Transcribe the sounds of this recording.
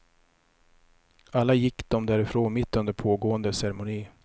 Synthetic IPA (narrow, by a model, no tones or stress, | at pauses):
alːajɪkːd̪̥ɔmd̪æːɾɪfɾoːnmɪt̪ːɵnd̪əɾpʰoːɡoːənd̪əsɛɾɛmʊniː